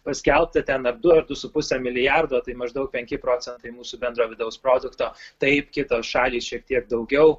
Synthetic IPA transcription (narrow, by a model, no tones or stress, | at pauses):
pɐsʲkʲɛlˠp̚t̪ɐt̪ʲɛnɐɾd̪ʊɐɾd̪ʊsʊpʊsʲɛmʲɪlʲɪjærd̪oːt̪ɐɪmɐʒd̪ɐʊk̚pʲɛŋʲkʲɪpɾoːt͡s̪ʲɛnt̪ɐɪmuːsʊbʲɛnd̪ɾoːʋʲɪd̪ɐʊspɾoːd̪ʊkt̪oːt̪ɐɪpkʲɪt̪oːʃɑːlʲiːsʃʲiɛk̚t̪ʲiɛk̚d̪ɐʊɡʲɛʊ